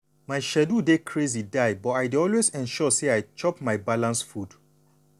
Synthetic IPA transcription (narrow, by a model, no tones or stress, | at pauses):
maɪʃɛdudekʰɹezidajbɔtajdeɔlwezɛ̃nʃɔseajt͡ʃɔpmaɪbalãnsfud